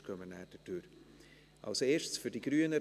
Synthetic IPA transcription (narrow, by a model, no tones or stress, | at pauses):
kʰœmənæːd̥ətøɾ | ʔɑ̰lsoeːʃsfyd̥iɡ̥ɾyənə